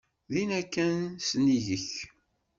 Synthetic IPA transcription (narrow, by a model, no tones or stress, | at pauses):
ðinækːænsniʝəç